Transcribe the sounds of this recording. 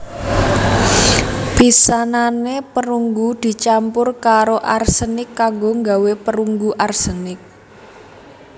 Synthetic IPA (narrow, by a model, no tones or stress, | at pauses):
pisananepəɾuŋɡud̪̥i̤t͡ʃampʊrkaɾoʔarsənɪkːaŋɡoŋɡa̤wepəɾuŋɡuʔarsənɪk̚